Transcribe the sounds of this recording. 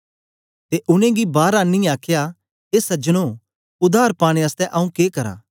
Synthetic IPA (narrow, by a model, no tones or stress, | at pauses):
t̪eʔʊnẽɡibaːɾanːĩaːkʰja | eːsɐd͡ʒənõ | ʊd̪ʱaːɾpaːɽ̃eəst̪ɛʔɐũkeːkɐɾa̰ː